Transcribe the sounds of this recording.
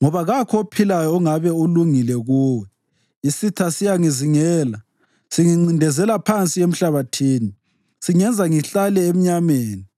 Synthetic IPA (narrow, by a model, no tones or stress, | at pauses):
ŋɔβaɣakʰɔpʰilajɔːŋaβɛuluŋilɛɣuːwɛ | isitʰasijaŋiziŋɛːla | siŋiŋ͡ǀindʱɛzɛlapʰant͡sʼiem̩ɬaβatʰiːni | siŋɛnd͡zʱaŋiɬalɛem̩ɲameːni